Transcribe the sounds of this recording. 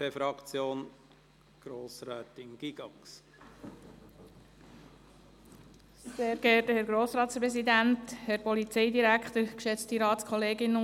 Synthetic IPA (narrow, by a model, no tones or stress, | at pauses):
eːfɾɑkt͡sjoːn | ɡ̥ɾoːsɾɛːt̪ɪŋɡ̥iɡ̥ɑŋs | seːɾɡɛtəhɛɾɡɾoːsɾɑːtspɾɛsid̪ænt̪hɛɾpɔlit͡sɛjd̪iɾækχt̪əɾkʃɛt͡stiɾɑːtskʰχɔleːɡɪnə